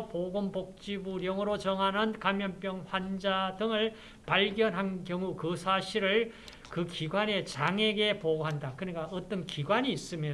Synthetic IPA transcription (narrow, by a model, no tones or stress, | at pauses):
poɡompok̚t͡ɕ͈ibuɾjʌŋɯɾot͡ɕʌŋɦanɯnkamjʌnpjʌŋɸwand͡ʑadɯŋɯɭ | paɭɡjʌnɦankjʌŋukɯsʰaɕʰiɾɯɭ | kɯkiɡwane̞t͡ɕaŋe̞ɡe̞poɡoɦandakɯɲik͈aʌt͈ʌnkiɡwaɲiːs͈ɯmjo